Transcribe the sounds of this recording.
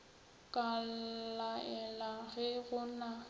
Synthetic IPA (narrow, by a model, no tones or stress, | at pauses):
kʼallaʔɛlaɣɛɣʊna